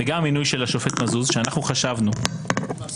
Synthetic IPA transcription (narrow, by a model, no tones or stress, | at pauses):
eɡaminujʃe̞laʃofe̞t̪mazuzʃeanaχnuχaʃavnu